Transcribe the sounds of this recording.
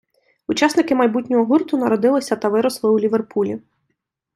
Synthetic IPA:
ut͡ʃɑsnɪkɪmɐjbutʲnʲɔɦɔɦurt̪ʊnɐɾɔd̪ɪlˠɪsʲɐt̪ɐʋɪɾɔslˠɪulʲiʋerpulʲi

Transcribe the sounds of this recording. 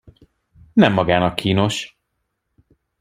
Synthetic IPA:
nɛmːɒɡaːnɒkːiːno̞ʃ

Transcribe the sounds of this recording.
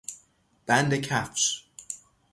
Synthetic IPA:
b̥ænd̪ekʰæfʃ

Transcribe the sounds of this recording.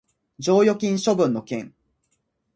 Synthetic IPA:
d͡ʑoːjo̞kʲĩɰ̃ɕo̞bɯ̟̃nːo̞kẽ̞ŋ

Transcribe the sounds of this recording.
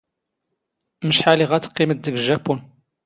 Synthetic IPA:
məʃħaliʁæt͡sːə̥qːimət̪̚ðəɡʒæpːun

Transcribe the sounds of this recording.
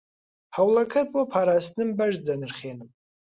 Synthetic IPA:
hawlakʰatʼwapʰaɾasnɨmbaʒzdanɨrχʲenɨmʼ

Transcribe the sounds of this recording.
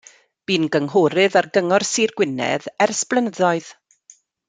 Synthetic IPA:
b̥iːnɡəŋɦɔːɾɨðarɡəŋɔrsiːrɡ̥wɪnɛ̰ðɛrsplˠənəðɔɨð̥

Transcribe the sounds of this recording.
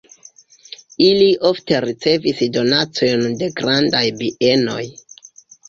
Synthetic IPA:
iliʔo̞fte̞ɾit͡se̞visdo̞nat͡sojonde̞ɡɾandajbiʔe̞no̞̰j

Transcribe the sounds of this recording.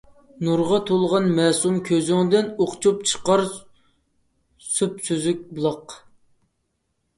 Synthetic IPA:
nuɾʁɑt̪ʰolˠʁɑnmɛsumkʲʰøzyŋd̪ɪnoqt͡ʃʰupt͡ʃʰə̥qɑɾ | supsyzyk̚ʲblˠɑq

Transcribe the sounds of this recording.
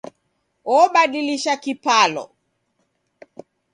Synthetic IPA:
ɔɓaɗiliʃakipalɔ̰

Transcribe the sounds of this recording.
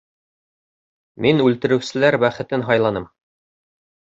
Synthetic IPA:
minʉlt̪ɘ̆ɾɘ̆wsɘ̆læɾbæχɘ̆t̪ɘnɦɑjlˠɑnɤm

